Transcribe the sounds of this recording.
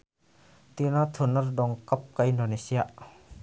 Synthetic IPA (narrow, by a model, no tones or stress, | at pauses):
t̪inat̪ʰunardɔŋkap̚kaʔindonesiaʔ